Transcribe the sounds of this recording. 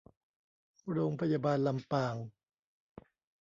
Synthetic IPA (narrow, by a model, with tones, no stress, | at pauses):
ɾoː˧ŋpʰa˧jaː˧baː˧nla˧mpaː˨˩ŋ